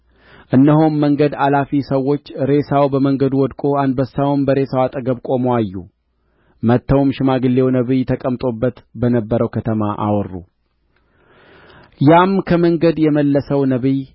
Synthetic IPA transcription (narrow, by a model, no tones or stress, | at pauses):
ʔɨnːəɦomːəŋɡəd̪alafisəwo̞t͡ʃːɾe̞sawbəməŋɡəd̪uwɔd̪kʼo̞and̪bəsːawmbəɾe̞sawat̪ʼəɡəβkʼo̞moajːṵ | mət̪ːəwmʃɪmaɡɨlːe̞wnəβɨjt̪ʰəkʼəmt̪ʼo̞bːət̪bənəbːəɾəwkʰət̪ʰəma̰ʔa̰wrːṵ | jamkʰəməŋɡəd̪jɛməlːəsəwnəβɨj